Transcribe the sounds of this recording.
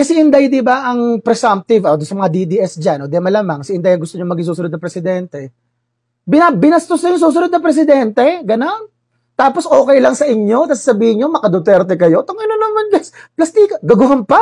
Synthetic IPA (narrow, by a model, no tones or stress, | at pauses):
kɐsɛʔɪnd̪ajd̪ibaʔɐŋpɾɛsamp̚t̪ɪvod̪ʊnsɐmɐŋad̪id̪iʔɛsd͡ʒanʔod̪ɛmɐlaːmɐŋsɪʔɪnd̪ajɐŋɡʊst̪oɲoŋmɐɡiŋsuːsʊnod̪ɐpɾɛsɪd̪ɛnt̪ɛ | bɪnabɪnɐst̪osnɐjʊŋs̬uːs̬ʊnod̪̚nɐpɾɛs̬ɪd̪ɛnt̪ɛɡɐnon | t̪aːposʔo̞ːkɛjlɐŋsɐʔɪɲo̞t̪ɐsḁsɐbiːhɪɲɲomɐkɐd̪ot̪ɛɾt̪ɛkɐjo̞t̪oŋɐnonɐmanɡɐsplɐst̪iːkɐɡɐɡʊɦɐnpa